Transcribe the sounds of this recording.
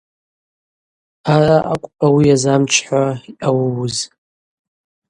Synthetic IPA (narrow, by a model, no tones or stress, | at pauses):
araʔa̰kʷʼpʼawiazamt͡ʃʰħʷaiʔawwz